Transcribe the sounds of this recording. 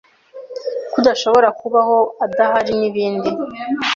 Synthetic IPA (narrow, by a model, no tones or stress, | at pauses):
kudaʃo̞βo̞ɾakuβaho̞adaɦaɾiniβiːndi